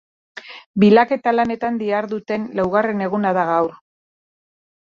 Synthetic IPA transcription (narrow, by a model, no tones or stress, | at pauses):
bilake̞t̪alane̞t̪and̪iaɾðut̪e̞nlawɣare̞ne̞ɣ̞unaðaɣawɾ